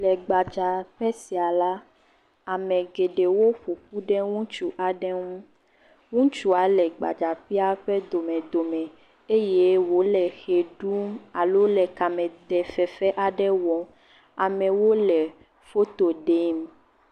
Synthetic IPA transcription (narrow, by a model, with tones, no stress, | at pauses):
lɛ˨ɡ͡ba˨d͡ʒa˨ɸɛ˦si˨a˨la˦ | a˨mɛ̃˨ɡe˨ɖe˨wo˦ɸo˨ɸu˦ɖɛ˦ŋũ˦t͡ʃu˦ʔa˨ɖɛ˦ŋũ˦ | ŋũ˦t͡ʃu˦a˨˦lɛ˨ɡ͡ba̰˨d͡ʒa˨ɸi˦a˦ɸɛ˦d̪o˨mɛ̃˨d̪o˨mɛ̃˨ | e˦je˦wo˨˦lɛ˨xe˨ɖu˦ma˨lo˦lɛ˨ka˨mɛ̃˨d̪ɛ˨fɛ˨fɛ˦ʔa˨ɖɛ˦wɔ˨ | a˨mɛ̃˨wo˦lɛ˨ | fo˦t̪o˨ɖe˦m